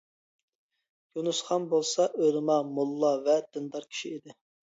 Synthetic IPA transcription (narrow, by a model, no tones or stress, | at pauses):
junusχɑnbolˠsɑʔølɨmɑmulˠːɑvɛd̪̥ɨnd̪ɑɾkʲʰi̥ʃiid̪ɪ